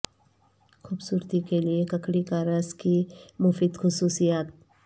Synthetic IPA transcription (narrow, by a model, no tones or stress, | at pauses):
xuːbsuːɾt̪ikeliekɐkɽikaːɾəzkimʊfiːd̪xʊsuːsijaːt̪̚